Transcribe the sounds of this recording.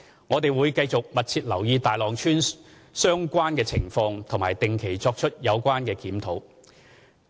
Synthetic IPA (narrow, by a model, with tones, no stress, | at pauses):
ŋɔː˨˧t̪e˨jwuː˨˧jkɐ˧jt͡sʊ˨k̚mɐ˨t̚t͡sʰiː˧t̚lɐ˨˩wjiː˧t̪aː˨jlɔː˨ŋt͡ʃʰyː˥n | sœː˥ŋkʷaː˥nkɛː˧t͡sʰɪ˨˩ŋfɔː˧ŋt̪ʰʊ˨˩ŋmaː˨jt̪ɪ˨ŋkʰe˨˩jt͡sɔː˧k̚t͡ʃʰɵ˥t̚jɐ˨˧wkʷwaː˥nkɛː˧kiː˨˥mt̪ʰo˨˥w